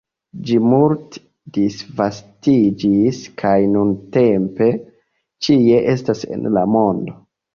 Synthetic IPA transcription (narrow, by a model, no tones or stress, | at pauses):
d͡ʒimult | disvastid͡ʒiskʰajnunte̞mpe̞ | t͡ʃie̞ʔe̞stasḛnlamo̞ndo̞